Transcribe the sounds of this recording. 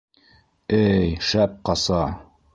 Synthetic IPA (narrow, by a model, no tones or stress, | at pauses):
ɘjʃæp̚qɑsɑ